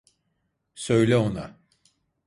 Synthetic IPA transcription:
sø̞jlʲɛo̞na

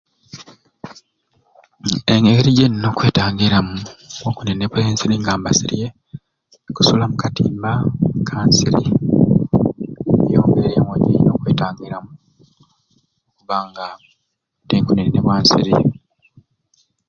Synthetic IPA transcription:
eŋɡeɾiɟenno̞ːkwe̞ːtaːŋɡiɾamuoːŋkuninineβweːnsiɾiŋɡaːmbasiɾije | ku̥sulamukatiːmbakʰaːnsḭɾḭ | jo̰ːŋɡeɾeeŋoɟḭno̞ːkwe̞ːtaːŋɡiɾamu | okuβaːŋɡa | teːŋkuninineβwaːnsḭɾḭ

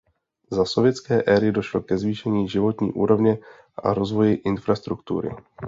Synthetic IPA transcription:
zaso̞vjɛt̪t͡skɛːʔɛːɾɪdo̞ʃlokɛzviːʃɛɲiːʒɪvo̞t̪ɲḭːʔuːɾo̞vɲɛ | ʔa̰ɾo̞zvo̞jɪʔɪnfɾast̪ɾukt̪ṵɾɪ̰

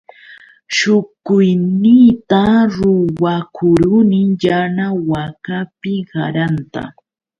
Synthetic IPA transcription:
ʃʊkʊjnɪt̪aɾʊwakʰʊɾʊnɪŋjanawakapɪɢaɾant̪a̰

